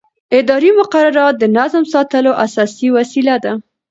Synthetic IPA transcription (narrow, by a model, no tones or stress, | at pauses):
ɪd̪ɑɾimʊqaɾaɾɑt̪̚d̪ənazmsɑt̪əloʔasɑsiwasilad̪a